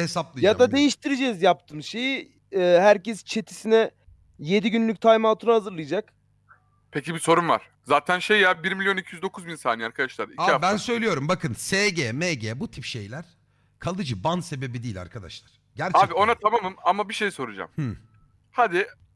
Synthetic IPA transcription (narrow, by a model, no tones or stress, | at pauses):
hesaplˠɯjjad̪ad̪e̞jiʃt̪ʰiɾed͡ʒɛzjap̚t̪ʰɯmʃe̞ji | ɛːɦæɾcɛst͡ʃʰe̞t̪ʰi̥sinɛ | je̞d̪iɟynlʲyc̚t̪ʰajmalˠt̪ʰunuhazɯɾlˠɯjd͡ʒak | pʰecibiso̞ɾumva̰ɾ̥ | zaːt̪ʰænʃejjabiɾmilʲjo̞nicʰijyzd̪o̞kʰuzbinsaːniaɾkʰad̪aʃlˠaɾiabænsø̞jlʲijo̞ɾumbakɯnseɟeːmeɟeːbut̪ʰipʃe̞jlʲæɾ̥ | kʰalˠɯd͡ʒɯbanse̞be̞bid̪iːlʲa̰ɾkʰad̪a̰ʃlˠaɾ̥ | ɟæɾt͡ʃaːbio̞nat̪ʰamamɯmamabiʃe̞jiso̞ɾud͡ʒa̰mh̩ | had̪ɪ